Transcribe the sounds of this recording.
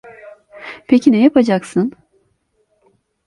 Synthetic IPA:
pʰecʰinɛjapʰad͡ʒaksɯn

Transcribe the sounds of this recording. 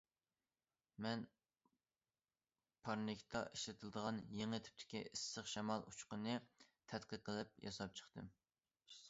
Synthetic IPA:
mɛn | pʰɑɾnɪkʲt̪ʰɑ̰ʔiʃlɪt̪ʰɨld̪əʁɑnjeŋɨt̪ʰɪ̥p̚t̪ʰɪ̥kʲiʔisːəχʃɛmɑlˠut͡ʃqənɨt̪ʰɛt̪qəqʰːəlˠɨp̚jɑ̰sɑp̚t͡ʃʰə̥χt̪ʰɨm

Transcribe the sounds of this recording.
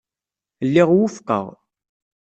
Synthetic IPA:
lːiʁwʊfqə̰ʁ

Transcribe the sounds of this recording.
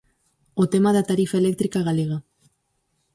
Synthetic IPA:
ot̪emaðat̪aɾifaele̞k̚t̪ɾikaɣaleɣa

